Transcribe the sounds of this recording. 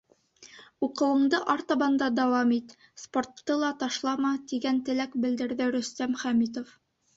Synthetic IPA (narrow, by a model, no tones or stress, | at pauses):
uqɤ̆wɤ̆ɴd̪ɤʔɑɾt̪ɑbɑnd̪ɑd̪æwɑmit̪ | sport̪ːɤlˠɑt̪ɑʃlˠɑmɑt̪iɡænt̪ɘ̆lækbɘ̆ld̪ɘ̆ɾðɘɾɵ̆st̪æmχæmit̪̬of